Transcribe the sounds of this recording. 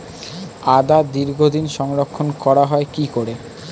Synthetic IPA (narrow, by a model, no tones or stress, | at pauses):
ad̪ad̪iɾɡʱod̪inʃɔŋɾokʰːonkɔɾaɦɔekikoɾe